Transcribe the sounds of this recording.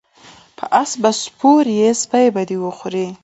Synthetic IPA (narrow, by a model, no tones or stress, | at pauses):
pʰəʔasbaspʰoɾjesbajbad̪iwəxuɾi